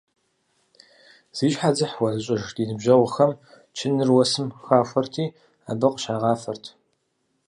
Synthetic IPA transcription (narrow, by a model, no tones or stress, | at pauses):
z̥iːɕħad͡zɨħwɐzɨɕʼɐʒd̥iːnɨbʒɐwʷʊxɐm | t͡ʃʰɪnɨrwɔsɨmxaːfʷɐrtʰiː | aːbɐqʼəʃaːʁɑːfɐrtʰ